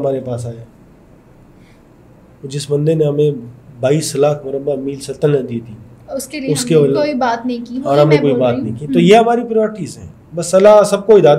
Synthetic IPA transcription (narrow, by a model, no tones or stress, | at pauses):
ɐmaːɾepaːs̬aːjaː | d͡ʒɪsbɐ̃nd̪eneɦɐmẽbaːiːslaːkʰmʊɾəbamiːlsɐt̪əlːɐ̃d̪iːt̪ʰiː | skeʊskeloibaːt̪nɐɦĩkiɔːɾɦɐmẽkoːibaːt̪nəɦĩkit̪ojeɦɐmaːɾipɾɪjɔːɾʈiːzɦɛ̰̃ː | bɐsːɐlasɐb̚koːid̪aːd̪